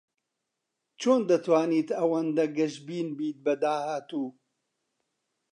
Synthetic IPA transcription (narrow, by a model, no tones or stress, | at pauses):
t͡ʃʰoːnd̪ɐt̪waːniːt̪ɐwɐnd̪ɐɡɐʃbiːnbiːt̪̚bɐd̪aːhaːt̪uː